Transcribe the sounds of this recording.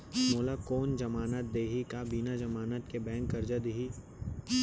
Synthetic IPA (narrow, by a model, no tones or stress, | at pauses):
moːlakoːnd͡ʒɐmaːnət̪̚d̪eːɦikabinad͡ʒɐmaːnət̪kebɛ̃ːŋkːɐɾd͡ʒəd̪ɦi